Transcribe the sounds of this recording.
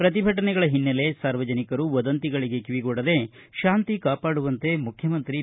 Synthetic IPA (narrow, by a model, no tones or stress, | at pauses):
pɾɐt̪ibʱɐʈ̬ɐnɛɡɐɭɐɦinːɐle̞saːɾʋɐd͡ʒɐnikɐɾuʋɐd̪ɐnt̪iɡɐɭiɡe̞kiʋiɡoɽɐd̪e̞ | ʃaːnt̪ikaːpaːɽuʋɐnt̪e̞mukʰjɐmɐnt̪ɾi